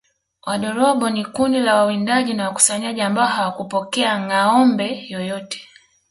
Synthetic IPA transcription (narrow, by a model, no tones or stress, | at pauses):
wʔaɗɔɾɔbɔnikundilawawindaʄinawaku̥saɲaʄiambaɔhawakupɔkɛaŋaɔmbɛjɔjɔtɛ̥